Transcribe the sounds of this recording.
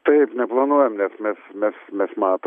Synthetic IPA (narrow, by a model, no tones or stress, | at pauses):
t̪ɐɪpnʲɛplˠɐnuɔjɛmnʲɛsmʲɛsmʲɛsmʲɛsmɑːt̪